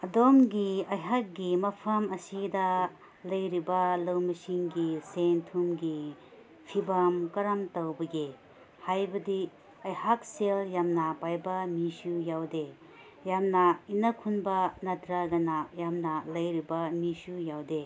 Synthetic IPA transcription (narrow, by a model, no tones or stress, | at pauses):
ɐdomɡiɐjɦak̚ɡimɐpʰɐmɐsidɐ | lɐjɾibɐlɐwmɐsiŋɡisentʰumɡi | pʰibamkɐɾamtɐwbɐɡe | hajbɐdi | ɐjhak̚seljamnɐpajbɐmisujawde | jamnɐinɐkʰunbɐnɐtɾaɡɐnajamnɐlɐjɾibɐmisujawde